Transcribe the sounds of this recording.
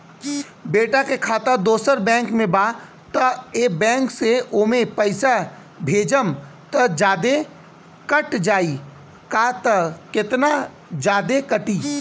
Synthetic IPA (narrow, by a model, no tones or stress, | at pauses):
beːʈakekʰaːt̪əd̪oːsəɾbɛ̃ːŋkmẽbaː | t̪ɐeːbɛ̃ːŋkseoːmẽpɐɪsa | bʱeːd͡ʒəmt̪ɐd͡ʒaːd̪e | kəʈd͡ʒaːi | kat̪ɐkɪt̪na | d͡ʒaːd̪ekɐʈiː